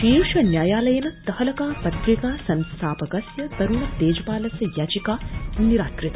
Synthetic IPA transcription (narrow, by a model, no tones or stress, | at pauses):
ʃiːɾʃʋɐnjaːjaːlɐjɐnɐt̪ɐhɐlɐkaːpɐt̪ɾikaːsɐnst̪ʰaːpɐɡɐsjɐt̪ɐɾuɳɐt̪eːd͡ʒɐpaːlɐsɐjaːd͡ʒikaːɐnːiɾaːt̪ɾɪt̪ɐ